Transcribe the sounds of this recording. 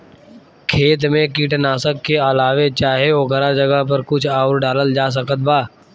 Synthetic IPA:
kʰeːt̪̬mẽkiːʈnaːsəkːeɐlaːʋet͡ʃaːɦeoɡʱəɾad͡ʒɐɡəɦp̬ɐɾkʊt͡ʃʰaːʊɾɖaːləld͡ʒaːs̬ɐkət̪̚baː

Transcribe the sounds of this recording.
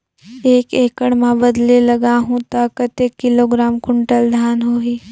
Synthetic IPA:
eːkeːkəɽmãbəd̪lelɐɡaɦũt̪aːkət̪eːkːɪloːɡɾaːmkʊɳʈəld̪ʱaːnɦoːiː

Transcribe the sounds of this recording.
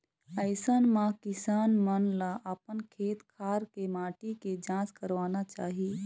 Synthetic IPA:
əɪsənmãkɪsaːnmənlaʔəpənkʰeːt̪kʰaːɾkemaːʈiked͡ʒãːskəɾʋaːnat͡ʃaːɦii

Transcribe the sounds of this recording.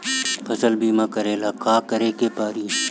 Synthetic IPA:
pʰɐsəlbʱiːmãkəɾeːlaːkaːkɐɾeːkeːpaːɾiː

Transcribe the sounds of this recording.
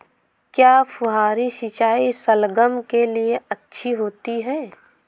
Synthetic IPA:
kjaːpʰʊɦaːɾiʃit͡ʃaːisəlɡəmkelieɐtːʃʰiɦoːt̪iɦɛː

